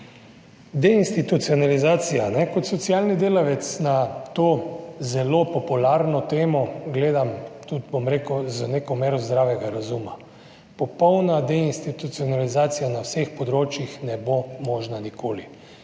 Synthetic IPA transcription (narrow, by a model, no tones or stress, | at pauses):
d̪ɛinst̪it̪ut̪siɔnalizaːt̪sijanɛkɔt̪sɔt̪siaːlnid̪eːlaʋɛt̪snat̪oːzɛlopɔpulaɾnɔt̪eːmɔɡleːd̪amt̪ut̪bomɾeːkəzənekɔmeːɾɔzd̪ɾaːʋɛɡaɾazuma | pɔpɔwnad̪ɛinst̪it̪ut̪sionalizaːt̪sijanawsexpɔd̪ɾoːt͡ʃjixnɛbomoːʒnanikʰoːli